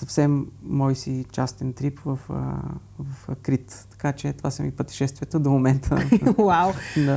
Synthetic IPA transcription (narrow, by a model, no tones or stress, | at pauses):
sɐfsɛmːɔisit͡ʃast̪ɛnt̪ɾipvəf | vəfkɾit̪t̪ɐ̥kat͡ʃɛt̪ovasəmipɾot̪i̥ʃɛst̪vʲiət̪əd̪omomɛnt̪ʰə̰wawna